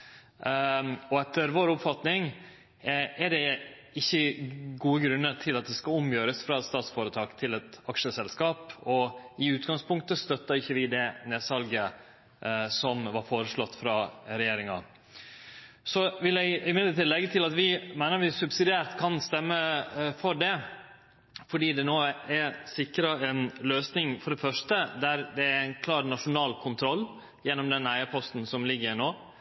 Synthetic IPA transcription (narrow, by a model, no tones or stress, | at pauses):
ɔɛt̪ːəɾʋoːɾʊpfɑt̪nɪŋ | ɛɖɛɪçːəɡuːəɡɾʉnːəɾt̪ʰɪlɑt̪̚d̪ɛskɑlʊmjøːɾəsfɾɑɛt̪st̪ɑːt̪sfoːɾət̪ʰɑːkt̪ʰɪlɛt̪ɑkʂəsɛlskɑːpɔɪʉːt̪ɡɑŋspʊŋkt̪əst̪œt̪ːəɾɪçːəʋɪd̪ɛneːsɑlɡə | sɔmʋɑɾfoːɾəʂlɔt̪ːfɾɑːɾɛjeːɾɪŋɑ̰ | sɔʋɪljæɪmɪd̪ət̪ɪlːɛɡːət̪ʰɪlɑt̪ʋɪmæɪnəɾʋɪsʉbsɪd̪ɪæːɾt̪kʰɑnst̪ɛmːəfɔɾɖɛ | fɔɖiːd̪ɛnoːɛɾsɪkɾɑɛnløːsnɪŋfɔɖɛfœʂʈəd̪æɾd̪ɛæɾæɪnkʰlɑːɾnɑʂʊnɑːlkʰʊnt̪ʰɾɔlː | jɛnːɔmd̪ɛnæɪəpʰɔst̪n̩sɔmlɪɡːəɾnoː